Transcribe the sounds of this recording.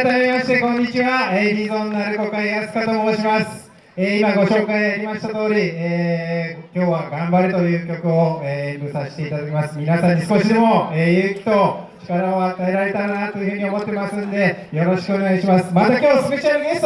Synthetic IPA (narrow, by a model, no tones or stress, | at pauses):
t̪amiimaɕi̥t̪e̞kõ̞ɲ̟ːit͡ɕiβaebʲizõ̞nːaɾɯ̟ko̞kaiɡasɨ̥kat̪omoːɕimasɨ̥ | eimaɡo̞ɕo̞ːkaiaɾʲimaɕi̥t̪at̪o̞ːɾʲieːkʲo̞ːβaɡãmbaɾɯ̟t̪o̞jɯ̟ːkʲo̞kɯ̟oemɯ̟saɕi̥t̪e̞it̪ad̪akʲemasɨ̥mʲinasãɲ̟ːisɨ̥ko̞ɕid̪e̞mo̞eːjɯ̟ːkʲi̥t̪o̞t͡ɕi̥kaɾaoat̪ae̞ɾaɾe̞t̪ainat̪ːo̞jɯ̟ɸɯ̟ːɲ̟io̞mo̞t̪ːe̞masɨ̃nd̪e̞ | jo̞ɾo̞ɕi̥kɯo̞ne̞ɡaɕimasɨ̥mat̪akʲo̞ːsɨɡɯt͡ɕioɾɯɡʲe̞st̪